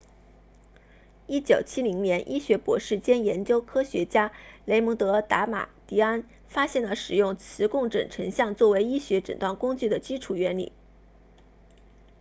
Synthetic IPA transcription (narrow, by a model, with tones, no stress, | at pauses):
i˥t͡ɕjo˨˩ʊt͡ɕʰi˥li˧˥ŋnjɛ˧˥nʔi˥ɕɥɛ˧˥pwɔ̰˧˥ʂɻ̩˥˩t͡ɕjɛ˥njɛ˧˥nt͡ɕjo˥ʊkʰɤ˥ɕɥɛ˧˥t͡ɕja˥le˧˥ɪmɤ˧˥ŋt̪ɤ˧˥t̪a˧˥ma̰˨˩t̪i˧˥a˥n | fa˥ɕjɛ˥˩nlə˩ʂɻ̩˨˩jʊ˥˩ŋt͡sʰɹ̩˧˥kʊ˥˩ŋʈ͡ʂə̰˨˩ŋʈ͡ʂʰɤ˧˥ŋɕjɑ˥˧ŋt͡swɔ˥˩we˧˥ɪi˥ɕɥɛ˧˥ʈ͡ʂə̰˨˩nt̪wa˥˩nkʊ˥ŋt͡ɕy˥˩d̪ə˩t͡ɕi˥ʈ͡ʂʰu˨˩ɥɛ˧˥nlḭ˨˩˦